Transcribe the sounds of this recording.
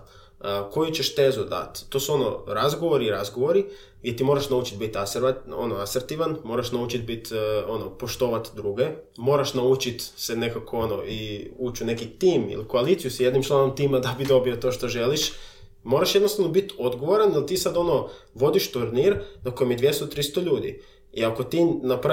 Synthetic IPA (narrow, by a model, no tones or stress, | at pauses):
ko̞jut͡ɕeʃt̪e̞ːzud̪a̰t̪ːo̞ːsuo̞no̰ɾazɡoʋo̞ɾiɾazɡoʋoɾi | ɡjet̪iːmo̞ːɾaʃnaut͡ʃit̪bit̪asɾonoaseɾt̪iːʋanmo̞ɾaʃnaut͡ʃit̪̚bit̪o̞nopo̞ʃt̪o̞ːʋat̪d̪ɾuɡe | mo̞ːɾaʃnaut͡ʃit̪sene̞kakʰoono̰ʔiuːt͡ʃune̞kit̪iːmḭlikoalit̪sijusje̞d̪nimt͡ʃlˠano̞mt̪iːmad̪abid̪o̞bio̞t̪o̞ːʃt̪o̞ʒe̞liʃ | mo̞ːɾaʃjed̪nost̪aʋno̞bit̪o̞d̪ɡo̞ʋoɾand̪alt̪iːsad̪o̞no̞ʋo̞d̪iʃt̪uɾniɾnako̞jemjed̪ʋje̞st̪ot̪ɾist̪o̞ʎuːd̪ḭ | iako̞t̪inap